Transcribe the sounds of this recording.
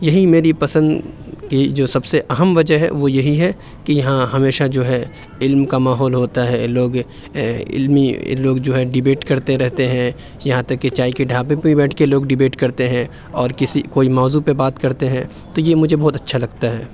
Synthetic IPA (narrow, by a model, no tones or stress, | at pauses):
jɐɦimeːɾipɐsə̃nd̪ | kid͡ʒoːsɐbseʔɐɦəmʋɐd͡ʒəɦɛ̰ʋojɐɦiɦɛ | kijɐɦãɦɐmeːʃad͡ʒoːɦɛ | ɪlmkamaːɦɔːlɦoːt̪aɦɛloːɡ | ɪ̰lmḭloːɡd͡ʒoːɦɛɖɪbeːʈkɐɾt̪eɾɛɦt̪eɦɛ̃ | jɐɦãt̪ɐkːet͡ʃaːikeɖʱaːpẽpebɛːʈʰkeloːɡɖɪbeːʈkɐɾt̪eɦɛ̃ | ɔːɾkɪsikoːimaːzupebaːt̪kɐɾt̪eɦɛ̃ | t̪ojemʊd͡ʒʱebɔːt̪ɐtːʃʰalɐɡt̪aɦɛː